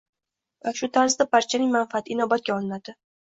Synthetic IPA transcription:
vaʃʊt̪ʰaɾzd̪apaɾt͡ʃʰanɪŋmanfat̪ʰɪɪnɒbat̪̚ɡʲaɒlˠɪnad̪̥ɪ

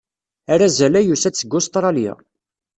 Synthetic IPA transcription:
æɾæzælæjusæt͡sːəɡːʊst̪ɾˤɑlja̰

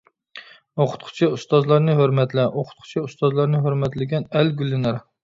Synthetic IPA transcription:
oqʰʊ̥t̪qʰʊ̥t͡ʃʰiust̪ɑzlˠɑɾnɨɦøɾmɛt̪lɛʔoqʰʊ̥t̪̚qʰʊ̥t͡ʃʰiust̪ɑzlˠɑɾnɨɦøɾmɛt̪lɪɡʲɛnɛlɡʲylːɪnæɾ

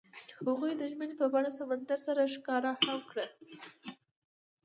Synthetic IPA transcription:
haɣujd̪əʒmənepəbɑɽasamand̪aɾsaɾaʃkɑɾahawkɽə

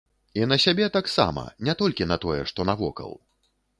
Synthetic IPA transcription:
in̪ɐsʲabʲɛt̪aksa̰mɐ̰nʲɛt̪ɔlʲkʲinɐt̪ɔjɛ̰ʂt̪ɔnavɔ̰kɐ̰lˠ

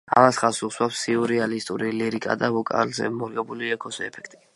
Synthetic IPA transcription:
a̰masχasuswapsiɔɾialist̪ʼuɾiliɾikʼa̰d̪avɔkʼa̰lzɛ̰mɔɾɡɛbuliɛkʰɔsɛpʰɛ̥kʰt̪ʼi̥

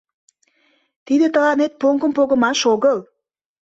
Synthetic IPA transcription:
t̪id̪ĕt̪əlɑnet̪̚poŋkə̆mpoɡə̆mɑʃoɡɤlˠ

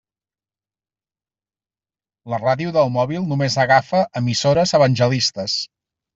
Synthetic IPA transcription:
ləraðiuðəlˠmɔβilˠnumezəɣafəʔəmisoɾəzəβənʲʒəlist̪əs

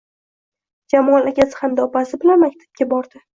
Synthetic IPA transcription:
d͡ʒamɒnakʲasɪ̥hamd̪aɒpasɪbɪlanmak̚ʲt̪ʰḁp̚ɡʲabɒɾd̪ɪ

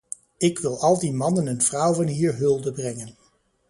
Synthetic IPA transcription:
ɪkʋɪlˠɑlˠdimɑnənənv̥rʌwvɑnɦiːɹɦɵlˠdəbrɛŋən

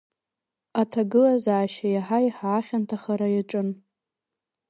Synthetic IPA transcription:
atʰaɡɨlazaːʃajaħajħaːχʲantʰaχaɾajaʈ͡ʂʼɨn

